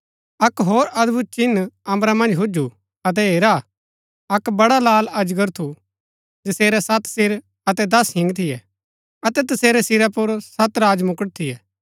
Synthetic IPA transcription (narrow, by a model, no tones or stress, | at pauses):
ɐkɦoːɾɐd̪but͡ʃɪnɐ̃mbɾamɐ̃nd͡ʒɦʊd͡ʒu | ɐt̪̬ɛeːɾa | ɐkbɐɽalaːlɐd͡ʒɡəɾt̪ʰu | d͡ʒɐseːɾɛsɐt̪sɪɾ | ɐt̪ɛd̪ɐsɦɪ̃ŋɡt̪ʰɪjɛ | ɐt̪ɛt̪̬ɐseːɾɛsɪɾɛpʊɾsɐt̪ɾaːd͡ʒmʊkəʈ̚t̪ʰɪjɛː